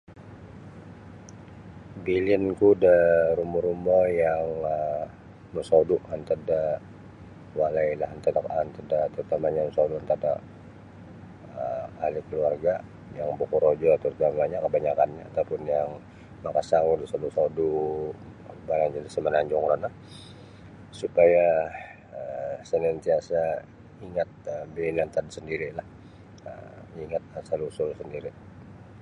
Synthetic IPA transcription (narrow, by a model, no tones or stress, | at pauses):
bilinkudaɾumɔɾumɔjaŋə | məsoduʔant̪əda | walailahant̪adakant̪ədat̪əɾut̪amaɲaməsoduant̪ada | əːlɪkəluarɡa | jaŋbokuɾod͡ʒɔt̪əɾut̪amaɲakəbaɲakanɲaːt̪awpʊnjaŋ | makasaŋudusadusaudu | balaŋd͡ʒadisəmənaɲd͡ʒɔŋɾanah | supaja | əsənant̪iasa | iŋat̪̚əbeːnant̪adisəndiɾilah | ə̰iŋat̪̚asalusɔlsəndiɾi